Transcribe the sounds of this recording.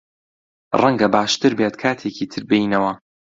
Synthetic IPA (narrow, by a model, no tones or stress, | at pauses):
rɐŋɡɐbaːʃt̪ɨɾbeːt̪kʰaːt̪ʰeːciːt̪ʰɨɾbɨjnɐwɐ